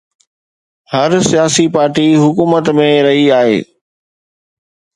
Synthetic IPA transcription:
hɐɾsijaːsipaːɾʈiɦʊkuːmət̪mẽɾɐɦiaːɦḛː

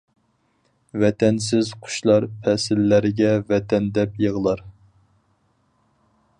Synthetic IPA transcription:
vɛt̪ʰɛns̬ɪzqʰʊ̥ʃlˠɑɾpʰɛsɪlːæɾɪɡʲɛvɛt̪ʰɛnd̪ɛpjəʁlˠɑɾ

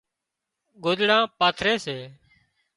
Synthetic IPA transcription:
ɡoːd̪ɽãːpaːt̪ʰɾeːseː

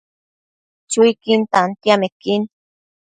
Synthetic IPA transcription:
t͡ʃʊjkint̪ant̪jamekin

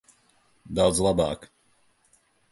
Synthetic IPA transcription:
d̪awd̪zlˠaba̰ːk

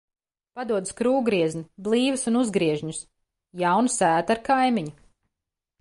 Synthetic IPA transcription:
pad̪uɔd̪ɨskɾuːɡɾiɛzniblˠiːvɨsunuzɡɾiɛʒɲus | jawnusæːt̪aɾkajmiɲu

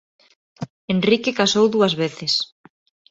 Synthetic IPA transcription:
enrikekasowðuɐzβeθɪs

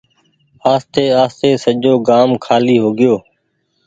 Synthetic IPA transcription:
aːst̪eːaːst̪eːsəʄoːɡaːmkʰaːliːɦoːɡɪjoː

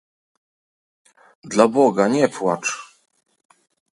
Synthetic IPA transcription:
d̪labɔɡaɲɛpwat͡ʂ

